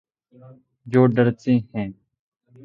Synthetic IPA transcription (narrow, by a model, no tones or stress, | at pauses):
d͡ʒoːɖəɾt͡sĩːhɛ̃ː